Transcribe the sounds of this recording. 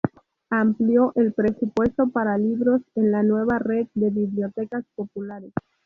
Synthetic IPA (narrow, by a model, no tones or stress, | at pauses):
ampljo̞ʔelpɾe̞supwe̞st̪o̞paɾaliβɾo̞se̞nlanwe̞βared̪̚d̪e̞βiβljo̞t̪e̞kaspo̞pulaɾes